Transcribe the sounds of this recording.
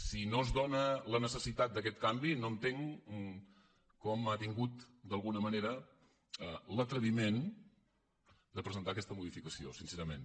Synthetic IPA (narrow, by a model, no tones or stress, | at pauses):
sinozðonələnəsəsit̪at̪̚d̪əkɛt̪̚kambinoənt̪eŋ | kɔmat̪iŋɡut̪d̪əlˠɣunəməneɾə | ələt̪ɾəβimen | d̪əpɾəzənt̪akɛst̪əmuðifikəsiosinseɾəmen